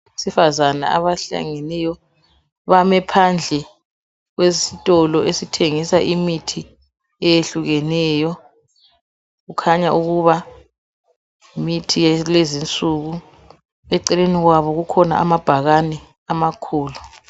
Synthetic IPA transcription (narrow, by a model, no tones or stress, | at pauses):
isifazana̰a̰βaɬa̰ŋenɛjɔ | βamɛpʰand͡ɮʱɛ | ɣwesitʼɔlɔesitʰeŋisaʔimitʰi | ɛjeɬuɣɛnɛːjɔ | ɣukʰaɲaʔuɣuβa | imitʰijlezint͡sʼuɣu | ɛǀɛleniɣwaβɔɣukʰɔna̰a̰mab̥ʱaɣanɛ | amakʰuːlu